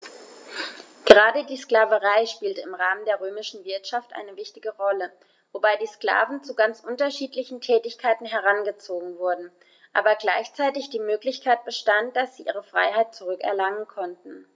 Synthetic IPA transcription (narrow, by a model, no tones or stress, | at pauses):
ɡ̥əʁaːdədiːskl̥aːvəʁaɪʃpiːltəɪmʁaːməndeːɐʁøːmɪʃn̩vɪɐtʃaftʔa̰ɪnəvɪçtɪɡəʁɔlə | vobaɪdiːskla̰ːvn̩t͡suɡant͡sʔʊntɐʃiːtlɪçn̩tʰɛːtɪçkʰaɪtn̩ɦɛʁ̞anɡət͡soːɡŋ̩vʊɐdn̩ | ʔaːbɐɡlaɪçt͡saɪtɪçd̥iːmøːklɪçkʰaɪt̚b̥əʃtant̚d̥asz̥iːʔiːʁ̞əfʁ̥a̰ɪɦaɪt̚t͡suʁ̞ʏkɛ̰ɐlaŋənkʰɔntn̩